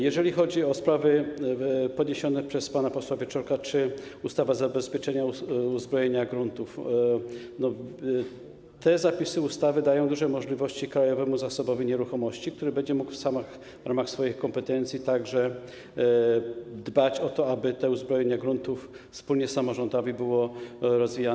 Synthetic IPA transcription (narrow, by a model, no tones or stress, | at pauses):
jɛʐɛlʲixɔd͡ʑiɔspɾavɘ | pɔd̪ɲeɕɔnɛpʂɛspanapɔswavʲɛt͡ʂɔɾkat͡ʂɘust̪avazabɛspʲjɛt͡ʂɛɲauuzbɾɔjeɲaɡɾunt̪uf | nɔ | t̪ɛzapʲisɘust̪avɘd̪ajɔ̃w̃d̪uʐɛmɔʐlʲivɔɕt͡ɕikɾajɔvɛmuzasɔbɔvʲiɲɛɾuxɔmɔɕt͡ɕik̚t̪uɾɘbɛɲd͡ʑɛmukfsamax | vɾamaxsfɔjixkɔmpɛt̪ɛnt̪sʲit̪aɡʐɛ | d̪bat͡ɕɔt̪ɔabɘt̪ɛuzbɾɔjeɲaɡɾunt̪uf | fspulɲɛsamɔʐɔnd̪ɔvʲibɘwɔɾɔzvʲija